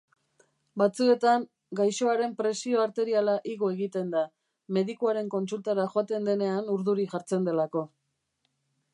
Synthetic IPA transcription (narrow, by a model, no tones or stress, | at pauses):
bat͡sue̞t̪aŋ | ɡajʃo̞aɾe̞mpɾe̞sio̞aɾt̪e̞ɾialaʔiɣo̞e̞ɣit̪e̞nd̪a | me̞ðikuaɾe̞ŋko̞nsult̪aɾaʝoat̪e̞nd̪e̞ne̞anuɾðuɾixaɾt͡se̞nd̪e̞lako̞